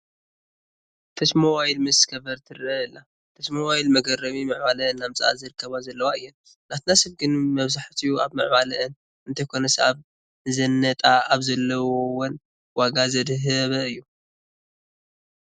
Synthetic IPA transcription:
t̪ʰɐsmowajlmɨskʰɐbɐɾt̪ʰɨɾɐɨlːa | t̪ʰɐsmowajlmɐɡɐɾɐβimɨʕβalɐɨnːamt͡sʼa̰ʔa̰zɨɾɨkʰːɐβazɐlːɐwaɨjːɛn | nat̪nasɐβɡɨnmɐβzaħt̪ʰijua̰βmɨ̰ʕβalɐʔɨn | ɨnt̪ʰɐjkʰo̞nɐsaβ | zɐnːɐt̪ʼaaβzɐlːɐwowɔn | waɡazɐd̪ɦɐβɐɨjːu

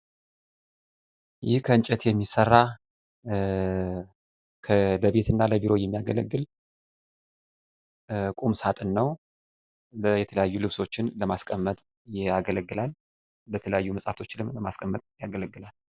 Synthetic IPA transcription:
jɪhkʰəɨɲt͡ʃʼɛt̪jɛmːisərːa | kʰələβe̞t̪ʰɨnːaləbiɾo̞jɛmːijaɡələ̰ɡːɨl | kʼumsat̪ʼɨnːəw | bəjɛt̪ʰələjajːulɨβso̞t͡ʃːɪnləmaskʼəmːət̪ʼ | jɪaɡələɡːɨlal | bət̪ʰələjajːuməsʼaft̪ʰo̞t͡ʃːɪlɨmləmaskʼəmːət̪ʼjaɡələɡːɨlal

